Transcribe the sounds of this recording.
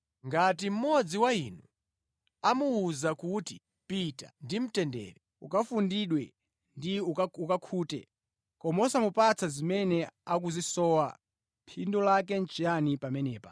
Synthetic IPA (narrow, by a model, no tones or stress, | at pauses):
ŋɡat̬im̩mɔd͡ziwainu | amuuzakuti | pitandim̩tɛndɛ̰ːɾɛ | ukafundiɗwɛ | ndiuukakʰuːtɛ̰ | kɔmausamupat͡sʰazimɛnɛak̬uzisɔːwa | pʰindɔlakɛn̩t͡ʃijanipamɛnɛːpa̰